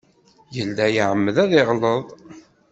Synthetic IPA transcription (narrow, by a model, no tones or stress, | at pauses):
jəlːæjəʕəmːəðæðɪʁləðˤ